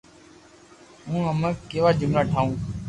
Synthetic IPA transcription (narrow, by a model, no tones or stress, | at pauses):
ɦũːɦəmə̃ːkeːʋaːd͡ʒʊmnaːʈʰaːũː